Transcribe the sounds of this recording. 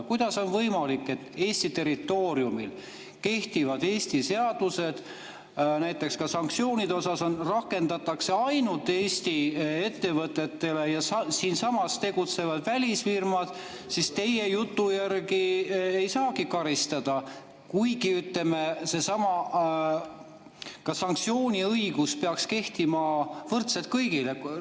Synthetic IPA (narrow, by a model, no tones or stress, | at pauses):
kujd̪̥ɑso̞nvɤjmɑlikːˑe̞t̪ːe̞ːsʲt̪it̪e̞ɾit̪ːˑo̞ːɾjumil | ke̞ht̪ivɑd̪̥e̞ːsʲt̪ise̞ɑd̪̥use̞d̪̥ | næjt̪ːˑe̞kskɑsɑŋk̚tsio̞ːnid̪o̞sɑso̞nrɑkːˑe̞nd̪ɑt̪ːˑɑkse̞ɑjnult̪ːeːst̪ie̞t̪ːe̞vɤt̪ːˑe̞t̪ːe̞le̞jɑssiːnsɑmɑst̪e̞ɡ̥ut̪se̞vɑd̪̥vælʲisfirmɑd̪̥ | sist̪e̞je̞jut̪ːˑujærɡie̞jsɑːɡikɑɾist̪ɑd̪̥ɑ | kujɡiyt̪le̞mese̞sɑmɑ | kɑsɑŋk̚t̪sio̞ːnʲiɤjɡ̥uspeɑkske̞ht̪imɑvɤrt̪set̪̚kɤjɡile̞